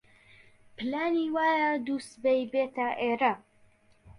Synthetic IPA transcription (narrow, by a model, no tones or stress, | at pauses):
pʰɨlaːniːwaːjɐd̪uːst̪bejbeːt̪ɐʔeːɾɐ